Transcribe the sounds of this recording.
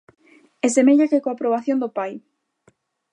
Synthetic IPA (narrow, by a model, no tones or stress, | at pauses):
ɛsemeʎakekoapɾoβ̞aθjond̪opaj